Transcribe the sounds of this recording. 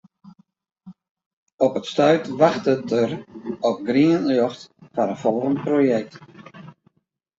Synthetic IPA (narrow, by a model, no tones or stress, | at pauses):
ɔpətstœɥtʋaxtətərɔp̚ɡriənljɔxtfanəfɔrəmprojɛk̚t